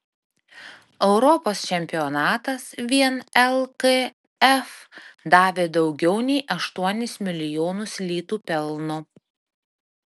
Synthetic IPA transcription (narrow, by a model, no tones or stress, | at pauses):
ɛʊɾɔpoːst͡ʃʲɛmʲpʲɪɔnɑːt̪ɐsʋʲiɛnɛlˠke | ɛfd̪ɑːʋʲeːd̪ɒʊɡʲɛʊnʲɛɪʔɐʃt̪uɔnʲɪsmʲɪlʲɪjoːnʊslʲiːt̪uːpʲɛlˠnʊ